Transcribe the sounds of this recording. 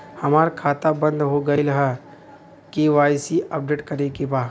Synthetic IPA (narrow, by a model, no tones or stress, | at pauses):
hɐmaːɾkʰaːt̪abɐ̃nd̪ɦoɡɐelɐɦɛ | keʋaːjsiʔɐp̚ɖeːʈkɐɾekebaː